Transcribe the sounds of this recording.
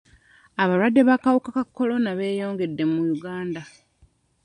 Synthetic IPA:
aβaɾwadːe̞βakawukakakːolo̞naβe̞ːjo̞ːŋɡe̞dːe̞mujuɡaːnda

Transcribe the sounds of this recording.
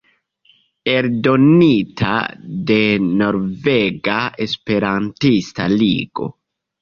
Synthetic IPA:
eɾdo̞nitʰa̰de̞no̞ɾve̞ɡaespe̞ɾantistaliɡo̞̰

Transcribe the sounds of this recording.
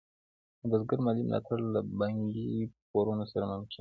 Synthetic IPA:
əb̪azɡaɾmalimlʔɑ̰t̪aɾlabaŋɡipoɾunosaɾamʊmkɪn

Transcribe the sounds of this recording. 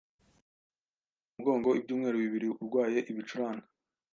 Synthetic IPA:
uubɡo̞ːŋɡo̞ibɟuːmŋe̞ːɾuβiβiɾiuɾɡwaːje̞ʔiβit͡ʃuɾaːŋa

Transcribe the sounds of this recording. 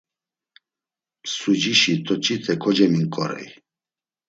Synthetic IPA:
sud͡ʒiʃit̪ʰʼɔt͡ʃʼit̪ʼʰɛkʰɔd͡ʒɛmiŋkʼɔɾɛ̰j

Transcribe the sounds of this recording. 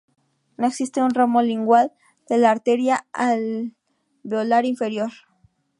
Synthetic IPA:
no̞eksist̪eunramoliŋɡwal | d̪̥e̞laːɾt̪e̞ɾjaal | bjo̞laɾiɱfe̞ɾjo̞ɾ

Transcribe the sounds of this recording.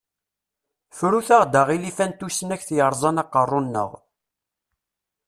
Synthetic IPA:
fɾuθaʁd̪aʁilifænt̪usənæçθjəɾˤzˤɑnɑqːərˤːonːə̰ʁ

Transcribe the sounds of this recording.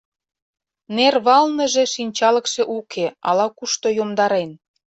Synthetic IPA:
nerβɑlnə̆ʒĕʃinʲt͡ɕɑlə̆kʃeʔukʰeɑlɑkuʃt̪ojomd̪ɑɾen

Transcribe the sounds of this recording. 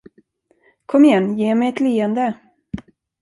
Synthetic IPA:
kʰɔmːɪjɛnːjeːmɛjɛt̪liːɛnd̪ə

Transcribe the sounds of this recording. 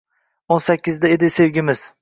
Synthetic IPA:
onsakʲːɪzd̪ae̞d̪ɪse̞wɡʲɪmɪz̥

